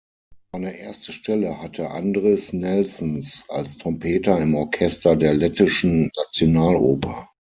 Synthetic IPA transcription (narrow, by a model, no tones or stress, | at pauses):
aɪnəʔeːɐstəʃtɛləhatʰəʔa̰ndʁɪsnɛlsnsa̰lstʁ̥ɔmpʰeːtɐɪmɔɐkʰɛstɐdeːɐlɛtɪʃn̩ːat͡sjonaːlʔoːpʰɐ